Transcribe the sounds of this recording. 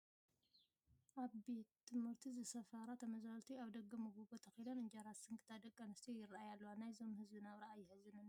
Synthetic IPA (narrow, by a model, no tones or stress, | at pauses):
ʔaβbe̞t̪ʰːɨmhɨɾt̪ʰizɨsɐfaɾat̪ʰɐmɐzalt̪ʰiaβd̪ɐɡːɐmɨɡuɡot̪ʰɐxilonɨɲd͡ʒaɾasɨŋkʰɨt̪ʰad̪ɐkʼːɐnɨst̪ʰijjɪraʔajalːɐwanajzo̞mhɨzbɨnaβɾɐajːɪhɨzɨnɨn